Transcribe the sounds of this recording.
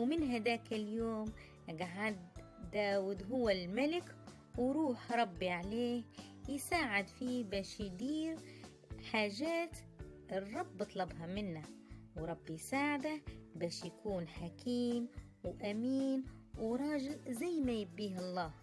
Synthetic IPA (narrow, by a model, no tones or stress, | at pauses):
mɪnɦad̪aːkɪljoːm | ɡaʕad̪ːaːwɪd̪ɦʊwːalmalɪk | wɪɾuːħɾˤɑbːiʕaleːhjɪsaːʕɪd̪fibaːʃjd̪iːɾ | ħaːʒaːt̪ | ɪrˤːɑbːɨt̪ˤlɑbɦɑmɪnːawɾˤɑbːjsaːʕɪd̪abaːʃjakuːnħakʰiːm | wʔamiːnwɾˤɑːʒɪlzajːmajɪbːiːhɑlˤːɑːh